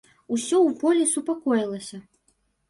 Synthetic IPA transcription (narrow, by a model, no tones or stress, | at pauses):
usʲɔwpɔlʲisupakɔjilˠɐsʲɐ